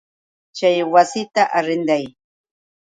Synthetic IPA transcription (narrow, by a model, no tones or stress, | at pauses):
t͡ʃajwasɪt̪aʔaɾɪnd̪aj